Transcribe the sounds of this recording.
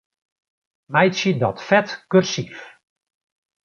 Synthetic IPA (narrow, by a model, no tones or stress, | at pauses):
mɛjtsjədɔtfɛtkørsif